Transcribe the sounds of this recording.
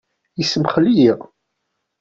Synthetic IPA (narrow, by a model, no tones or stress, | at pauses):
isəmχlijiʁ